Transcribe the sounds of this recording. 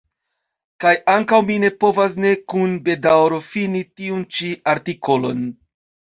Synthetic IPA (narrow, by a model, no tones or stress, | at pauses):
kajaŋkawmine̞po̞vas̬ne̞kunbe̞dawɾo̞finitiunt͡ʃiaɾtiko̞lo̞̰n